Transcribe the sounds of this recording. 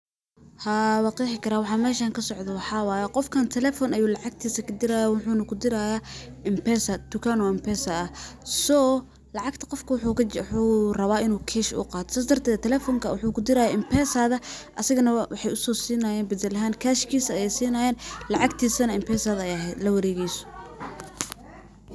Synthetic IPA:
hawɑːqiːħɪkʰɐɾaːwɑħɑːmɛːʃaːŋkʰɐsɔʕd̪ɛwɑħɑːwɑːjɛqɔfkʰaːnt̪ʰɛlɛːfɔnɐjuːlɑʕɑɡ̚t̪ʰiːsɐkʰɐd̪ɪɾajaːwʊħuːnɐkʰʊd̪ɪɾaːjaːʔɪmpɛːsɐt̪ʊkʰaːnɔɪmpɛːsɐɐsɔː | lɑʕɑɡt̪ʰɐ̥qɔfkʰɐwʊħuːħuːrɐβaːʔɪnuːkʰɛːʃʊ̰qɑːt̪ɔ̥saːs̬d̪ɐrt̪ʰɛːðɐt̪ʰɛlɛːfɔŋkʰɐwʊħuːkʰʊd̪ɪɾaːjaːʔɪmpʰɛːsaːðɐʔɐsɪɣɐnɐwɑħɑjʊsɔːsiːnɐjɛːnbɪðɐlɐɦaːnkʰaːʃkʰiːsɐɐjɛjsiːnɐjɛːnlɑʕɑɡt̪ʰiːsɐnɐɪmpʰɛːsɐːðɐɛjɐɦɛjd̪lɐwɐɾɛːɣɛjsɔ̥

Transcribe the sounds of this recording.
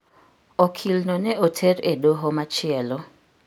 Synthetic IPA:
ɔkʰilnɔnɛotʰeɾedoɦomat͡ʃɪɛlɔ

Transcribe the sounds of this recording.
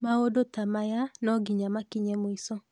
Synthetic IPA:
maodotamajanɔɡiɲamakiɲɛmoisɔ

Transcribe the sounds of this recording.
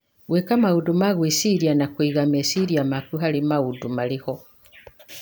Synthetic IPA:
ɣwekamaudumaɣwesiɾianakwiːɣamesiɾijamakuɦalimaudumaliho

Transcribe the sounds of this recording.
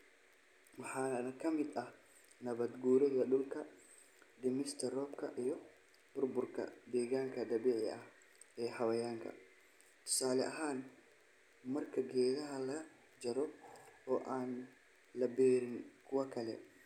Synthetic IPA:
wɑħɑːnɐkʰɐmɪd̪ɐh | nɐβɐd̪ɡuːɾɛɣɐɗʊlkʰɐ | d̪ɪmɪst̪ʰɛrɔːbkʰɐʔijɔ | b̥ʊrbʊrkʰɐ̰d̪ɛːɣaːŋkʰɐd̪ɐβiːʕɪɐh | ɛːhɐwɐjaːŋkʰɐ̰ | t̪ʰʊ̥saːlɛʔɐɦaːn | mɐrkʰɐɡɛːðɐɦɐlɐ | d͡ʒɐɾɔɔːʔaːn | lɐbɛːɾɪŋkʰʊwɐkʰɐlɛ̰

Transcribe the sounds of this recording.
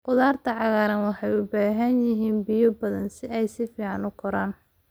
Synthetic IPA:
qʊðaːrt̪ʰɐʕɑɣaːɾɐnwɑħɑjʊbaːɦɐnjɪɦiːnbɪjɔbɐðɐnsɪɛjsɪfiːʕɑnʊkʰʊɾaːn

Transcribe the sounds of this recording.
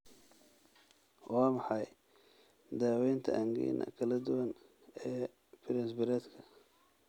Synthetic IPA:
wɑːmɑħɑj | d̪aːwɛjnt̪ʰɐʔɐŋɡḭːnʔɐ̰kʰɐlɐd̪ʊwɐn | ɛː | pɪɾɛnsbɪɾɛːd̪kʰɐ

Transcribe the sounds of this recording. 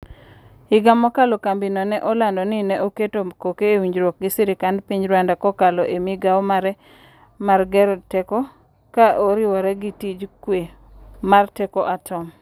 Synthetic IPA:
ɪɡamɔkalɔkambinɔnɛʔɔlandɔnɪnɛʔoketokokeːwiɲd͡ʒɾwɔk̚ɡɪsɪɾɪkandpiɲd͡ʒɾwandakɔkalɔʔemiɡawɔmaɾɛ | marɡɛɾɔtɛkɔ | kaʔoɾɪwɔɾɛɡitid͡ʒkwe | martɛkɔʔatɔm

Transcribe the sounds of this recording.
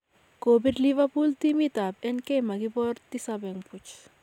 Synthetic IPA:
koːbiɖliʋɐpult̪imit̪aːbenkemɐɡipɔɾt̪isabeŋput͡ʃ

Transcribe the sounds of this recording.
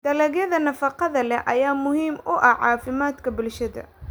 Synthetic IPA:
d̪̥ɐlɛɣjɐðɐnɐfɑqɑðɐlɛʔɐjaːmʊɦiːmʔʊʔɐʕɑːfɪmaːd̪kʰɐbʊlʃɐðɐ̰

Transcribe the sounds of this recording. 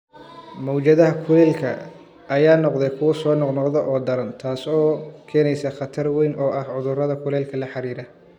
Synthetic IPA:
mɔwt͡ʃɐðɐɦɐkʰʊlɛːlkʰɐ̰ | ʔɐjaːnɔqd̪ɛjkʰʊwɐsɔːnɔqnɔqðɔʔɔːd̪ɐɾɐnt̪ʰaːsɔːkʰɛːnɛjsɐχɑt̪ʰɐrwɛjnʔɔːʔɐhʕʊðʊrɐðɐkʰʊlɛːlkʰɐlɐħɑɾiːɾɐ

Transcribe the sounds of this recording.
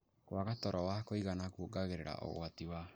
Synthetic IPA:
kwaɣatɔɾɔwakoiɣanakuoɡaɣeɾeɾa̰ʔo̰ɣo̰atiwa

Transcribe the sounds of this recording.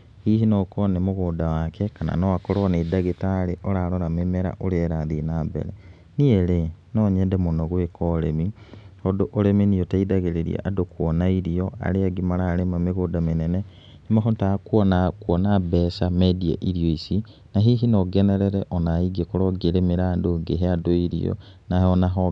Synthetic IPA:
hiːɦinɔkɔnemoɣoːdawakʰɛkana̰nɔakɔɾɔnedaɣetaɾeʔɔɾaɾɔɾamemɛɾa̰ʔoɾeɛɾaðinaːbɛ̰ɾɛ̰ | nieɾenɔɲɛndɛmonɔɣwekɔɾemihɔdoʔoɾeminiɔtaidaɣeɾeɾḭḛʔadokwɔnaiɾiɔa̰ɾeaɡimaɾaɾemameɣodamenɛnɛ | nemaɦotakwɔnakwɔnabɛsamedia̰ʔiɾioisi | naɦiɦinɔɡɛnɛɾɛɾɛʔɔnaiɡiekoɾɔɡeɾemeɾaːndoŋɡeɦeadoiɾḭɔ̰ | naɔnaɦɔ

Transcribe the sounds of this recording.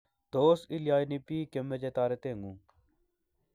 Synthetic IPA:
t̪oːsiljaːjnipiːkemed͡ʒet̪aːɾet̪eːŋɡũː

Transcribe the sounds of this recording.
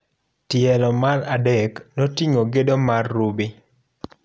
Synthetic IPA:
tɪɛlɔmaradɛknotiŋoɡedomarːubi

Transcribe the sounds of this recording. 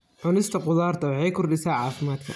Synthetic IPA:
ʕʊnɪst̪ʰɐqʊðaːrt̪ʰɐwɑħɑjkʰʊrɖɪsaːʕɑːfɪmaːd̪kʰɐ̰

